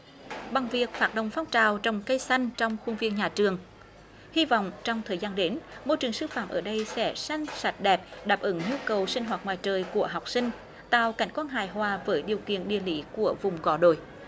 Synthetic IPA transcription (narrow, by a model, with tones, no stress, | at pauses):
ɓa˨˩ŋvi˨˩ək̚faː˨˧˩t̚ɗə̰˨˧˩wŋ͡mfaː˧wŋ͡mt͡ɕaː˨˩wt͡ɕɔ˧wŋ͡mkə˧jsa˧jŋ̟t͡ɕɔ˧wŋ͡mxʊ˧ŋ͡mvi˧ənɲaː˨˩t͡ɕɨ˨˩əŋ | hi˧vɔ̰˧˨wŋ͡mt͡ɕɔ˧wŋ͡mt̪ʰəː˨˩jzaː˧nɗe˨˦nmo˧jt͡ɕɨ˨˩əŋsɨ˧faː˧˩mʔəː˧˩ɗə˧jsɛ̰˧˥sa˧jŋ̟sa˨˩jt̚ɗɛ˨˩p̚ɗaː˨˩p̚ʔɨ˨˦ŋɲu˧kə˨˩wsï˧ŋ̟ɦwaː˨˩t̚ŋwa̰ː˨jt͡ɕəː˨˩jku˧˩əɦa˨˩wk͡p̚sï˧ŋ̟ | t̪a̰ː˧˨wka˧˩jŋ̟kwaː˧nɦaː˧˩jɦwaː˨˩vəː˨˦jɗi˨˩əwkḭ˧˨ənɗḭ˧˨əli˨˦ku˧˩əvʊ˨˩ŋ͡mɣɔ˨˦ɗo̰˧˨j